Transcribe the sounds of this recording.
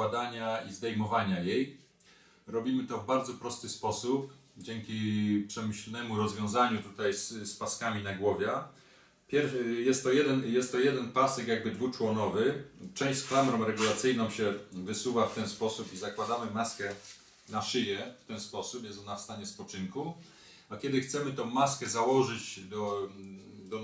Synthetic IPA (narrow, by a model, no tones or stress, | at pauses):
wad̪aɲaizd̪ɛjmɔvaɲajej | ɾɔbʲimɘt̪ɔvbaɾd̪zɔpɾɔst̪ɘspɔsupd͡ʑɛŋkʲipʂɛmɘɕlnɛmuɾɔzvʲjɔ̃w̃zaɲut̪ut̪ajsspaskamʲinaɡwɔvʲjɛ | pʲjɛɾjɛst̪ːɔjɛd̪ɛnjɛst̪ːɔjɛd̪ɛnpasɛkjaɡ̚bɘd̪vut͡ʂwɔnɔvɘt͡ʂɛ̃w̃ɕsklamɾɔ̃m̃ɾɛɡulat̪sɘjnɔ̃w̃ɕɛvɘsuvaft̪ɛnspɔsupizakwad̪amɘmaskɛ | naʂɘjɛft̪ɛnspɔsupjɛsɔnafst̪aɲɛspɔt͡ʂɘŋku | akʲɛd̪ɘxt̪sɛmɘt̪ɔ̃w̃maskɛzawɔʐɘd͡ʑd̪ɔ | d̪ɔ